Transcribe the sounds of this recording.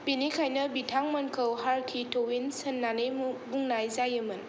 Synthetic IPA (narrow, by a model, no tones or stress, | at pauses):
pinikʰajnɯbitʰaŋmɐnkʰəwɦaɾkʰitʰowinsɯnːanejbuŋnajzajɯmɯn